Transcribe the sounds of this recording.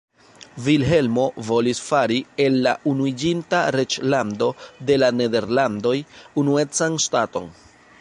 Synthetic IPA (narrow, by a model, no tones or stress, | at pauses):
vilɦe̞lmo̞vo̞lisfaɾie̞lːa̰ʔunuid͡ʒintaɾe̞t͡ʃlando̞de̞lane̞de̞ɾlando̞junue̞t͡sanstato̞̰n